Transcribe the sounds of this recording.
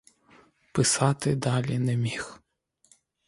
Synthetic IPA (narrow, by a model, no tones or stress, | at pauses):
pɪsɑt̪ɪd̪ɑlʲinɛmʲix